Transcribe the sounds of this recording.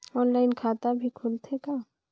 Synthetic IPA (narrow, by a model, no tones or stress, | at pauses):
ɔːnlaːɪnkʰaːt̪abʱikʰʊlt̪ʰeka